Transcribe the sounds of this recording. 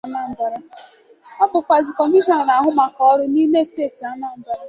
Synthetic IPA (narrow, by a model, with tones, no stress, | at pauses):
a˦na˦˨m̩˨ba˨ɾa˦ | ɔ˦bʊ˨kʷa˨zi˨kɔ˨mi˦ʃɔ˨n˨na˨ɦʊ˦ma˨kɔɔ˦ɾʊ˦ni˦me˦steː˦˨ti˨a˦na˦˨m̩˨ba˦ɾa˦